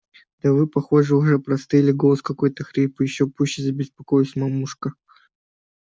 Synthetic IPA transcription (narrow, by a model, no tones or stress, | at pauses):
d̪̥ɐvɨpɐxo̞ʐɨʊʐɛpɾɐst̪ɨjlʲɪɡolˠəskɐko̞jt̪əxɾʲipɨjɪɕːopuɕːɪzəbʲɪspɐkojɪsʲmɐmuʂkə